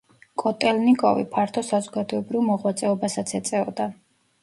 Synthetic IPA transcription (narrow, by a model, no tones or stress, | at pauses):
kʼɔt̪ʼɛlnikʼɔ̰vḭpʰaɾt̪ʰɔsazɔɡad̪ɔɛbɾivmɔʁwat̪sʼɛɔbasat̪sʰɛt̪sʼɛɔd̪a